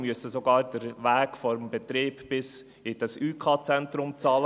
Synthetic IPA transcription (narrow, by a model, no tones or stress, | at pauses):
myəsəsoɡɑːɾd̥əɾʋæːɡ̥fɔɾəmbɛt̪ɾeːbbɪs | ɪd̥ɑsyːkʰɑːt͡sɛntɾʊmt͡sɑːlə